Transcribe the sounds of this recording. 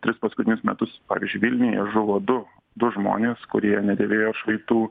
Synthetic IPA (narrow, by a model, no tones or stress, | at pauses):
t̪ʲɾʲɪspɐskʊt̪ʲɪnʲʊsmʲɛt̪ʊspɑːʋʲiːzʲd͡ʒʲʊɪʋʲɪlʲnʲɪjɛ̰ʒʊʋoːd̪ʊ | d̪ʊʒmo̰ːnʲeːskʊɾʲiɛnʲɛd̪ʲeːʋʲeːjoːʃʋɐɪt̪uː